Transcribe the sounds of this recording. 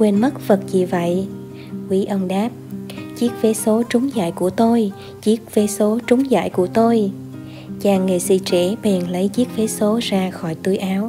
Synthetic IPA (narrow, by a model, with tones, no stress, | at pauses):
kwe˧nmə˦˥t̚və˨˩t̚zi˨˩və̰˧˨j | kwi˨˦ʔə˧nɗaː˦˥p̚t͡ɕi˦˥ək̚ve˨˦so˨˦t͡ɕʊ˨˦ŋ͡mza̰ː˧˨jku˧˩ət̪o˧j | t͡ɕi˦˥ək̚ve˨˦so˨˦t͡ɕʊ˨˦ŋ͡mza̰ː˧˨jku˧˩ət̪o˧j | t͡ɕaː˨˩ŋːe˨˩sḭ˧˨t͡ɕɛ˧˩ɓɛː˨˩nlə˨˦jt͡ɕi˦˥ək̚ve˨˦so˨˦zaː˧xɔ˧˩jt̪ɨ˧jʔaː˨˦w